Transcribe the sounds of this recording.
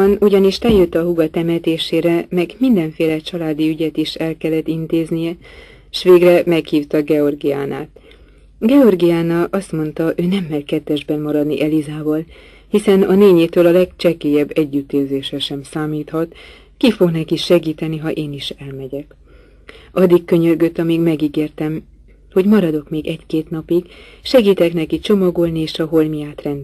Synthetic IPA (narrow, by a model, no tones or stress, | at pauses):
nuɟɒniʃt̪ɛljøt̪ːɒɦuɡɒt̪ɛmɛt̪eːʃeːɾɛmɛɡmind̪ɛɱfeːlɛt͡ʃɒlaːd̪iyɟɛt̪iʃɛlkɛlːɛt̪ːint̪eːznijɛ | ʃʋeːɡrɛmɛkhiːft̪ɒɡɛo̞rɡijaːna̰ːt̪̚ | ɡɛo̞rɡijaːnɒʔɒst̪mo̞nt̪ɒʔøːnɛmːɛrkɛt̪ːɛʒbɛnːɒɾɒd̪niʔɛlizaːbɒl | hisɛnɒneːɲeːt̪øːlɒlɛkt͡ʃɛkeːjɛbːɛɟːyt̪eːlzeːʃɛʃɛmsaːmiːt̪hɒt̪ | kifo̞ɡnɛkiʃɛɡiːt̪ɛniɦɒʔeːniʃɛlmɛɟɛk | ɒd̪ːikkːø̞ɲørɡøt̪ːɒmiːɡmɛɡiɡeːrt̪ɛm | ho̞ɟmɒɾɒd̪o̞kmeːɡɛckeːt̪nɒpiɡ | ʃɛɡiːt̪ɛknɛkit͡ʃo̞mɒɡo̞lnieːʃɒɦo̞lmijaːt̪rɛnd̪